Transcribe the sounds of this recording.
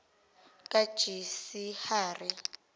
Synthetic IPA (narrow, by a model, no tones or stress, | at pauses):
kʼḁʒ̥isihaːri